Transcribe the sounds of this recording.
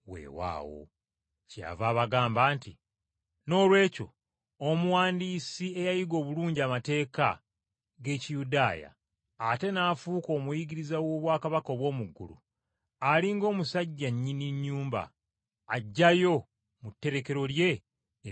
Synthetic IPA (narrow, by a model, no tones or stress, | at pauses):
wḛːwa̰ːwo̞̰ | ca̰vaːβaɡaːmbaːnti | no̞ːlwe̞ːco̞̰ | omuwaːndiːsie̞jajiɡo̞ːβuluːɲɟiamate̞ːka̰ | ɡe̞ːcijudaːja̰ː | te̞naːfuːko̞ːmujiɡiɾizawo̞ːβwaːkaβako̞ːβwo̞ːmuɡːṵlṵ | aliŋɡo̞ːmusaɟːaɲːiniɲːuːmba̰ː | ɟːajo̞ | mutːe̞ɾe̞ke̞ɾo̞lje̞